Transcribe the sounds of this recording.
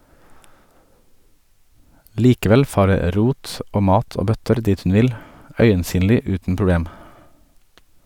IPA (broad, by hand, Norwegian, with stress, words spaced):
ˈliːkəˌʋɛl ˈfɑːɾə ə ˈɾuːt ˈoː ˈmɑːt ˈoː ˈbœtəɾ ˈdiːt ˈn̩ ˈʋɪl ˈœʏənˌsyːnlɪ ˈʉːtn̩ pɹʊˈbɽeːm